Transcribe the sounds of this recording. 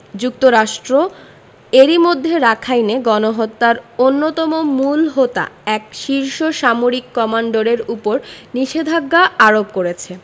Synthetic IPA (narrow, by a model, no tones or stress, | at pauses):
d͡ʑuk̚t̪oɾaʃʈɾo | eɾimod̪ʱːeɾakʰajneɡɔnoɦot̪ːaɾonːot̪ɔmomulɦot̪a̰ɛkʃiɾʃoʃamoɾikːɔmaɳɖoɾeɾupoɾniʃed̪ʱaɡːaaɾop̚koɾet͡ɕʰe